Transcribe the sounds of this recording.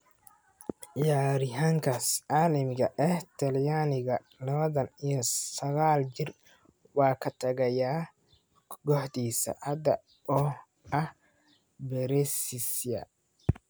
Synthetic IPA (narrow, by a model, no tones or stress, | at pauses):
ʔɪjaːɾɪɦaŋkʰasʔaːlɪmɡɐʔɛht̪ʰɐljaːnɪɣɐ | lɐβɐðɐnijɔsɐɣaːld͡ʒɪr | wɑːkʰɐt̪ʰɐɣɐjaː | ɡɔħd̪iːsɐ̰hɐd̪ɐ | ɔ | ɐh | bɛɾɛsɪsjɐ̰